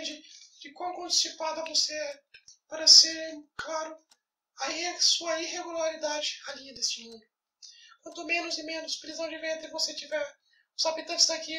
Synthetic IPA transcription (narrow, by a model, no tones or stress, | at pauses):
d͡ʒɪd͡ʒɪkwawkõt͡ʃi̥sipad̪ɐvosepaɾɐseɾklaɾʊ | aisuɐiɦeɡulaɾid̪ad͡ʒɪaliɐd̪est͡ʃɪmũnʊ | kwɐ̃nt̪ʊmẽnʊzɪmẽnʊspɾizɐ̃w̃d͡ʒɪvẽnt̪ɐvoset͡ʃivɛɾ | sapit̪ɐ̃sɪd̪aki